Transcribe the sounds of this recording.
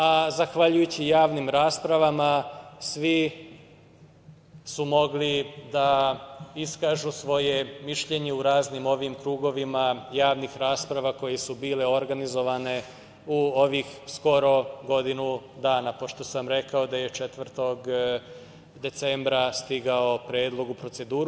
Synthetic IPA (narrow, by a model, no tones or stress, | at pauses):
azaxʋaʎujut͡ɕijaːʋnimɾaːspɾaʋamasʋi | sumo̞ɡlid̪a | iskaːʒusʋo̞jemiʃʎe̞ɲe̞uɾaːznimo̞ʋimkɾuːɡo̞ʋimajaːʋnixɾaːspɾaʋako̞je̞subiːle̞o̞ɾɡanizo̞ʋane̞ | uo̞ʋixsko̞ɾo̞ɡo̞d̪inud̪aːnapo̞ʃt̪o̞samɾe̞kaod̪aje̞t͡ʃet̪ʋr̩t̪o̞ɡ | d̪e̞t̪se̞mbɾast̪iɡao̞pɾeːd̪lˠo̞ɡupɾo̞t̪se̞d̪uːɾu